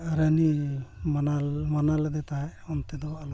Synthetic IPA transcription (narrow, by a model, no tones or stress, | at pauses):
aɾanimanalmanalɛd̪ɛt̪aɦɛɔnt̪ɛd̪ɔbal